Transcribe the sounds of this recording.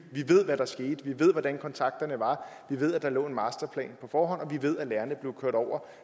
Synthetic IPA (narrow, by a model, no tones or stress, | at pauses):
ʋiʋe̝ð̞̰ˠʋæɾ̥ɑ̈sɡ̥e̝ːd̥ʋiʋe̝ð̞̰ˠʋɒd̥ænkʰɒ̽nt͡sʰɑ̈ɡ̥̚d̥ɐnəʋɑ̈ʋiʋe̝ð̞̰ˠæd̥ɑ̈lɔ̰̽ːe̝nmɑ̈ːsd̥ɐpʰlɛ̰ːnpʰɒ̽fɒːɦɒ̽n̰ɒ̽ʋiʋe̝ð̞̰ˠælæːɐnəb̥le̝ʊkʰøɐd̥ɒʊ̰ɐ